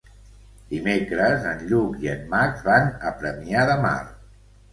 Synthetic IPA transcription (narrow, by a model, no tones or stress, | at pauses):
d̪̥imekɾəzənʎukiənːazβanəpɾəmiaðəma̰r